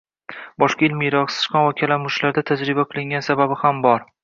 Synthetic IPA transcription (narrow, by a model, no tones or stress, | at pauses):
bɒʃqɑɪlmɪjɾɒqsɪ̥ʃqɒnvakʲʰalamʊʃlaɾd̪at̪ʰad͡ʒɾɪbaqʰɨlˠɪŋɡʲansababɪhambɒɾ